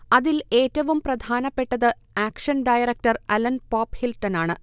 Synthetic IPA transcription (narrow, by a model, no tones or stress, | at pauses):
ɐðile̞ːtːɐʋumprɐd̪ʱaːnɐpːe̞ʈːɐðɨ | aːkʂɐnɖɐjɐɾɐk̚ʈɐrɐlɐnpaːphilʈːɐnaːɳɨ